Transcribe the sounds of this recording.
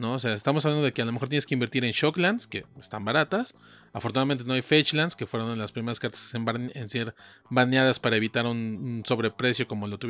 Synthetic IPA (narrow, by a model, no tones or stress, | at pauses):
no̞os̬e̞aest̪amos̬aβland̪o̞ðe̞kealomexoɾt̪jenskeimbe̞ɾt̪iɾe̞nʃo̞klanske̞est̪ambaɾat̪as | afoɾt̪unaðament̪enoajfet͡ʃlanske̞fwe̞ɾonelaspɾime̞ɾaskaɾt̪ḁse̥semaenseɾ | banjaðaspaɾae̞βit̪aɾununso̞βɾe̞pɾe̞sjo̞ko̞mo̞lo̞t̪uβ